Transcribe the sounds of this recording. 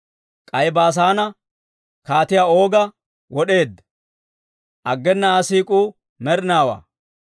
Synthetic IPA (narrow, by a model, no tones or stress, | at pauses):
kʼɐjbaːs̬aːnɐ | kaːt̪ɪjaːo̞ːɡɐ | wɔɗe̞ːd̪ | ʔɐɡːɛnːɐsiːkʼuː | mɛɾnaːwa̰ː